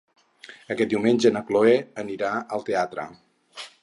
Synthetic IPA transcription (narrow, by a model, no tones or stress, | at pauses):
əkɛt̪̚d̪iuwmenʲʒənəkloɛəniɾaəlˠt̪eat̪ɾə̰